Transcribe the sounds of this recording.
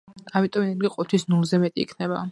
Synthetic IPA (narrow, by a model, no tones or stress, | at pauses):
amit̪ʼɔmɛnɛɾɡiqʼɔt̪ʰwisnulˠzɛmɛt̪ʼḭːkʰnɛba